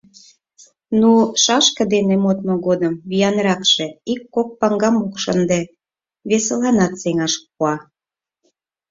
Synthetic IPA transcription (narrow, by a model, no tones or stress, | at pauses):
nuʃɑʃkɤ̆d̪enemot̪̚mŏɣod̪əmβijɑnɾɑkʃe̽ikːok̚pɑŋɡɑmukʃənd̪e | βesə̆lɑnɑt̪seŋɑʃp̚uɑ